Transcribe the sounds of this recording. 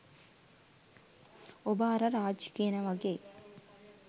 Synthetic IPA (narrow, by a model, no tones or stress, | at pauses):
obaːɾɐɾaːd͡ʒkiːɐnɐʋɐɡe